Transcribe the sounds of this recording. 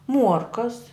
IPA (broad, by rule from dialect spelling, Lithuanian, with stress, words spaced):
ˈmuɔrkɐs